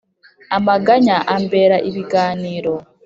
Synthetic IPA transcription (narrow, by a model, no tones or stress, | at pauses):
amaɡaɲaʔambe̞ːɾaʔiβiɡaːniːɾo̞